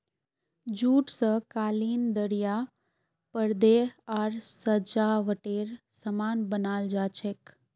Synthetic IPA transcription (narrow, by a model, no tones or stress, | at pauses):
d͡ʒuːʈsəkaːliːnd̪əɾja | pəɾd̪eaːɾsəd͡ʒaːʋəʈeːɾ | səmaːnbənaːld͡ʒaːt͡ʃʰek